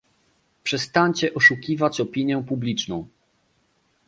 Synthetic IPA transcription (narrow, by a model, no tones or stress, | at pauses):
pʂɛst̪aɲt͡ɕɛʔɔʂukʲivat͡ɕɔpʲiɲjɛpublʲit͡ʂnɔ̃w̃